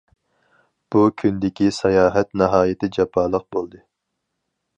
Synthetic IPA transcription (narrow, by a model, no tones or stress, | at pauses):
b̥ukʲʰynd̪ɪkʲisɑjɑːɦɛt̪nɨɦɑːjɪt̪ʰɪd͡ʒɑpʰːɑːlˠəq̚bolˠd̪ɨ